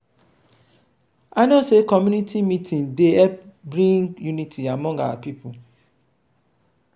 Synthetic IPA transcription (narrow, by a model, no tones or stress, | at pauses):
aɪnosekɔmjunitʰimitʰĩndeɛpbɹĩɡjunitʰiamɔ̃ŋɡa̰wa̰pipʰu